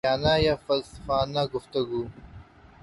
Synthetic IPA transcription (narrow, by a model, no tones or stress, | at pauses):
aːnajafɐlsɐ̥faːnaɡʊft̪ɐɡuː